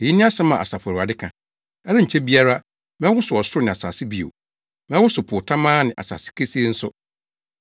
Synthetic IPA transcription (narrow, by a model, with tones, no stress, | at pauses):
e˨ji˦nɪ̃˦a˦sɛ˦mã̰˨a̰˨sa˨fʊ˨a˨ɾa˨dɪ˦kʰã˨ | ɛ˦ɾɪ˦ɲ̩˨t͡ɕʰɛ˦bi˦a˦ɾa˦ | mɛ̃˦wʊ˦sʊ˨ɔ˨sʊ˦ʊ˦nɪ̃˨a˨sa̰ː˨sɪ˦bi˨o̰˨ | mɛ̃˦wʊ˦sʊ˨pʰʊ˨tʰã˦mãː˦nɪ̃˨ʔa̰˨sa̰˨sɪ̥˦kʰe˦si˦e˦n̩˦sʊ̰˦